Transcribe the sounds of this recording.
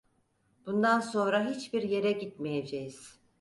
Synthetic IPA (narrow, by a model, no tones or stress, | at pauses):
b̥und̪anso̞nɾaɦit͡ʃbiɾje̞ɾɛɟit̪̚mejed͡ʒejiz̥